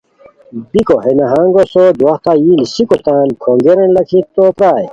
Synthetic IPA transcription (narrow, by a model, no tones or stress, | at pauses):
bikoɦenɐɦãːŋɡosod̪waht̪ajinisikot̪aːnkʰoŋɡeɾɐnlɐkʰit̪oːpɾaːj